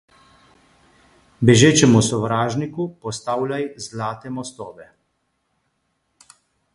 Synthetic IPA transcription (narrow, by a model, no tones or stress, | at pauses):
bɛʒeːt͡ʃɛmusɔʋɾaːʒnikupɔst̪aːwlʲajzlaːt̪ɛmɔst̪ɔːʋɛ